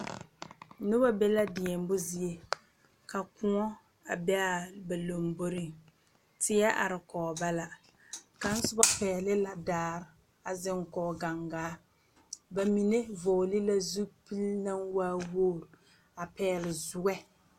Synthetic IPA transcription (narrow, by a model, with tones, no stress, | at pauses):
nʊ˦ba˦be˦la˦dɪ˨ɛ˨m˦bʊ˦zi˦e˦ | ka˨kʊ˦ŋɔ˦ | a˨bɛ˦a˦˨ba˨lo˨mbo˦ɾɪ˨ŋ | tɪ˦jɛ˦ʔa̰˨ɾɪ˨kɔː˨ba˦la˨ | ka˨n̩˦sʊ˦ba˦pɛː˨lɪ˦la˨daː˦˨ɾ | a˨zɪ˦ŋ˦kɔː˨ɡa˨ŋɡaː˨˦ | ba˨mi˨ne˦vo˨lɪ˦la˦zu˦pi˦lna˦ŋwaː˦woː˦˨ɾ | a˨pɛː˦lɪ˨zʊ˦ɡɛ˦